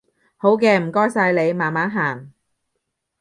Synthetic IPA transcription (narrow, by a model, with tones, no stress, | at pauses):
ho˨˥wkɛː˧m̩˨˩kɔː˥jsaː˧jle˨˧jmaː˨˩nmaː˨˥nɦaː˨˩ŋ